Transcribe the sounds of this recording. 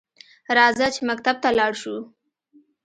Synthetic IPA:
ɾɑzat͡ʃemakt̪ab̚t̪alɑɽʃu

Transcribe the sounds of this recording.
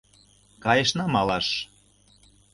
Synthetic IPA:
kɑjəʃnɑmɑlɑʃ

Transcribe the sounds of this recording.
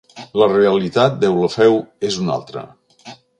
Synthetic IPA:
ləreəlit̪at̪̚d̪ɛwləfɛwezuna̰lˠt̪ɾə̰

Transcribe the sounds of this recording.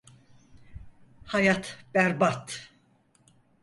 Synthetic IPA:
hajat̪bæɾbat̪

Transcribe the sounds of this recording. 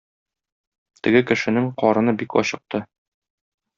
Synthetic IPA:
t̪ɘ̆ɡɘkɘ̆ʃɘ̆nɘŋqɒɾɤ̆nɤbikɒ̰ɕɤ̆q̚t̪ɤ

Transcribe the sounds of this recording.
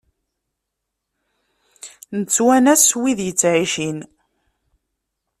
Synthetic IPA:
nət͡sːwænæswiðjət͡sːʕiʃin

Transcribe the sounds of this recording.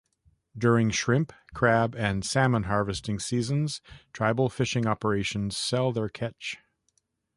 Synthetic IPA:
dʊɹɪ̃ŋʃɹɪ̃mpkʰɹ̥æbɨ̃nsæmə̃nɦɑɹvɨstɪ̃ŋsizə̃nz̥tʰɹ̥aɪbl̩ˠfɪʃɪ̃ŋɑpə˞eɪʃɨ̃n̩z̥sɛlˠðə˞kʰɛt͡ʃ

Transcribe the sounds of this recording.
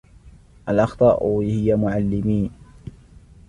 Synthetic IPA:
ʔalʔɑxt̪ˤɑːʔʊhɪjamʊʕalːɪmiːn

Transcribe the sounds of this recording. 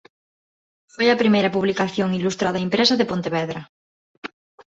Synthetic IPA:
fojɐpɾimejɾɐpuβlikaθjoŋilust̪ɾaðɐempɾesaðepont̪eβeðɾɐ

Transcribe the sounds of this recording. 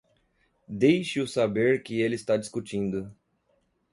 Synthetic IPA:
d̪ejʃɪʊsabeɾkɪelɪːst̪ad͡ʒiskut͡ʃĩnd̪ʊ

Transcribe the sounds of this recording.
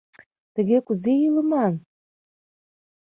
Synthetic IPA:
t̪ə̆ɣekuzejilə̆mɑn

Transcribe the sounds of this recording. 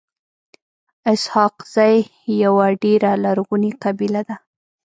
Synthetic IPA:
ɪshɑqz̥aj | jawaɖeɾalaɾɣuniqabilad̪a

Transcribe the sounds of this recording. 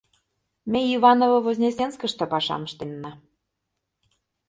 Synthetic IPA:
mʲeiβɑnovŏvozʲnʲesʲenskə̆ʃt̪ɤ̆pɑʃɑ̰məʃt̪enːɑ

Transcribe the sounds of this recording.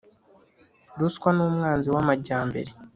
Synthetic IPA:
duskwanuːmŋaːnziwamaɟaːmbe̞̰ɾe̞

